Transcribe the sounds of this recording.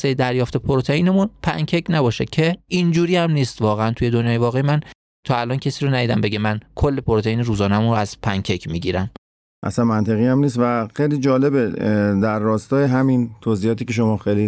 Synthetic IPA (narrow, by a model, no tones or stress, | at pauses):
sejed̪æɾjɒːft̪e̞pʰoɾot̪ʰeiːnemunpʰæŋcʰecnæbɒːʃecʰeind͡ʒuːɾiːæmniːst̪vɒːɣeænt̪ʰuje̞d̪onjɒːje̞vɒːɣemæn | t̪ʰɒːælɒːncʰesiːɾonæd̪iːd̪æmbe̞ɟemænkʰolːe̞pʰoɾot̪ʰe̞iːniɾuːzɒːnæmunɾoæz̥pʰæŋcʰecʰmiːɟiːɾæm | ʔæ̰sænmænt̪ʰeɣiːæmniːst̪væxejliːd͡ʒɒːle̞bed̪æɾːɒːst̪ɒːjeɦæmint̪ʰoziːhɒːt̪iːce̞ʃ̬omɒːxejli